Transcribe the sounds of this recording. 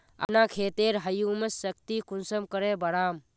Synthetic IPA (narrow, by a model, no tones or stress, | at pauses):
ə̰nakʰeːt̪eɾɦəjuməsːəkt̪ikunsəmkəɾebəɽaːm